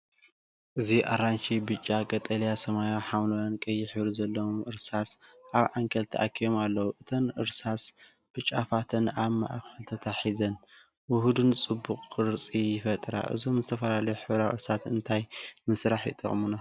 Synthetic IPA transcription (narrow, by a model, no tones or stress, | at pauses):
ʔɨziʔa̰ɾant͡ʃibɨt͡ʃʼːakʼɐt̪ʼɐljasɐmajaħamnowankʼɐjːɪħβɾzɐlːɐwomʔɨɾsasʔaβʕaŋkʰɐlt̪ʰɐʔa̰kʰːijomalːɐwuʔɨt̪ʰo̞nʔɨɾsas | b̥ɨt͡ʃʼːafat̪ʰɨnaβma̰ʔfɨlt̪ʰɐt̪ʰaħizɐn | wʊhud̪ɨnt͡sʼɨbːuqʼːɨɾt͡sʼijɪfɐt̪ʼɾa̰ʔɨ̰zo̞mzɨt̪ʰɐfɐlalɐjuħɨβɾawɨ̰ɾsat̪ɨnt̪ʰajmɨsɾaħjɪ̰t̪ʼɐ̰χʼmuna